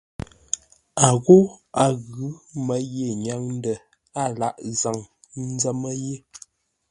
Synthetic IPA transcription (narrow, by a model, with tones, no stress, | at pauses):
a˨ɣo˦a˨ɣʉ˨˦mə˦je˨ɲa˨˦ŋn˦də˨ | a˦˨la˦ʔza˨ŋ | n̩˦zə˦mə˦je˦